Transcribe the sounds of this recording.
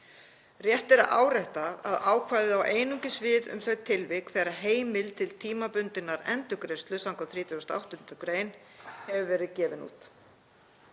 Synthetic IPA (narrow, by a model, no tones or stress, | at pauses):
rjɛht̪ɛɾaʔa̰ːwɾajht̪aa̰ðaːwkʰvajðɪðawʔeːjnʏɲcɪsvɪːðʏ̰mθœɥt̪ʰɪlvɪkθɛɾaɦeːjmɪlt̪ʰɪlt̪ʰiːmapʏnt̪ɪnːaɾɛnt̪ʏkɾest̪lʏsawŋkɔθɾiːt̪ʏɔst̪a̰wht̪ʏnt̪ʏkɾeːjn | hɛvʏvɛːɾɪðcɛːvɪnṵːt̪